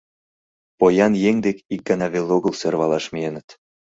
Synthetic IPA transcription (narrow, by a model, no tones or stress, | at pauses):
pojɑnjeŋd̪ekik̚ɡ̥ɤnɑβeloɣəlserβɑlɑʃmienə̆t̪